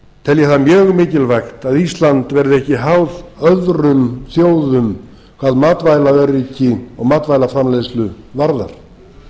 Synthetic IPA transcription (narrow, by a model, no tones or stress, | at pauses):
t̪ʰɛljɛθamjœːɣmɪːcɪlvaxt̪aðist̪lant̪vɛɾðʏɛhcɪɦawðœðɾʏmθjoːwðʏm | kʰvaːðmaːt̪vaːjlaœɾiːcɪɔɣmaːt̪vajlafɾamlejslʏvaɾða̰ɾ̥